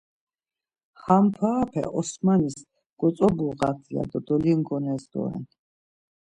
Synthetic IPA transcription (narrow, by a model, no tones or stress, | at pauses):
hampʰaːpʰɛ̰ʔɔsmanis | ɡ̥ɔt͡ssʼɔbuʁat̪ʰia̰d̪ɔd̪ɔliŋɡɔnɛzd̪ɔ̰ɛ̰n